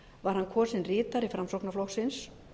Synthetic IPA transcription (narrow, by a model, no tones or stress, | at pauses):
vaɾ̥hankʰvɔːsɪnrɪːt̪aɾifɾamsowknaflɔxsɪns